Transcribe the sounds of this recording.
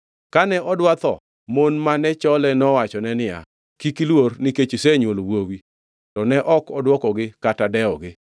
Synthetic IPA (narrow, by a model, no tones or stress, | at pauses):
kanɛʔɔdwat̪ɔ̰ | monmanɛt͡ʃɔlɛnɔwat͡ʃɔnɛnɪja̰ | kikilwornɪket͡ʃiseɲwolwowi | tɔnɛʔɔkɔdwɔkɔɡɪkatadɛɔɡɪ